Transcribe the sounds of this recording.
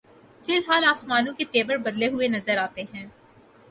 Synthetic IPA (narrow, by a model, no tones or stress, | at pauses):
fɪlɦaːlaːsmaːnõket̪eːbəɾbɐd̪leɦʊenɐzəɾaːt̪eɦɛ̃ː